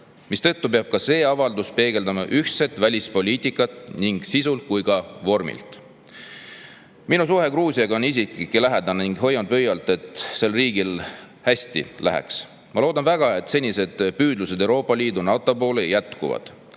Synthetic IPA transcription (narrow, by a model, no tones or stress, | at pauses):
mist̪ɤ̞t̪ːupeɑb̥̚kɑse̞ːɑvɑld̪uspe̞ːɡe̞ld̪ɑmɑʔyht̪se̞t̪ːˑvælʲispo̞liːt̪ˑikːˑɑt̪ːˑniŋɡ̥sisult̪̚kujɡɑvo̞rmḭlt̪ˑ | minus̬uɦhe̞kruːsiɑɡɑo̞nis̬ikikːˑilæɦed̪ɑnniŋɡ̥ɦo̞jːɑnd̪̚pøjɑlt̪ːˑe̞t̪ˑse̞lriːɡil | hæsʲt̪ḭlæ̰ɦḛks | mɑloːd̪ɑnvæɡ̥ɑe̞t̪ːˑse̞nʲise̞d̪̥pyːd̪luse̞d̪e̞wɾo̞ːpːˑɑliːd̪unɑt̪ːˑopo̞ːlejæt̪kṵvɑ̰d̪̥